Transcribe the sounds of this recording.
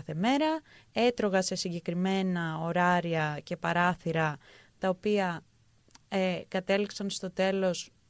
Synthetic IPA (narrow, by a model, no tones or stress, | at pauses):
θe̞me̞ɾɐe̞t̪ɾo̞ɣɐse̞siɲɟe̞kɾime̞nɐo̞ɾɐɾiɐce̞pɐɾɐθiɾɐ | t̪ɐopiɐ | ekɐt̪e̞liksɐnst̪o̞t̪e̞lo̞s